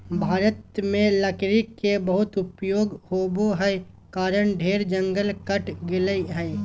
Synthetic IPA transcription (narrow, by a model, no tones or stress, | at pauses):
bʱaːɾət̪mẽlɐkɾikːebəɦʊt̪ʊpjoːɡhoːboɦɛ | kaːɾəɽɖʱeːɾd͡ʒə̃ŋɡəlkəʈʰɡɪləiɦɛ̃ː